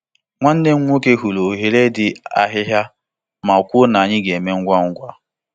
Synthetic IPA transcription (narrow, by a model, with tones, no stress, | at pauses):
ŋʷa˦n̩˦dɪ˦ŋ̩˦ŋʷ˦o˦ke˦ɦu˨lo˨ɦe˨ɾe˦dɪ˦a̰˦ɦɪ˦ɦja˦ | ma˨kʷʊ˦na˨a˨ɲɪ˦ɡe˨me˦ŋ̩˦ɡʷa˦ŋ̩˦ɡʷa˦